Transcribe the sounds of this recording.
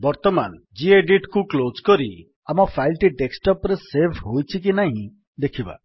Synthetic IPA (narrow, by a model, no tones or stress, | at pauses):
bɔɾt̪ɔman | d͡ʒieɖiʈkuklod͡ʒkɔɾi | amɔpʰajlʈiʈeksʈɔpɾesepʰɦojt͡ʃʰik̬inaɦĩ | d̪ekʰiba̰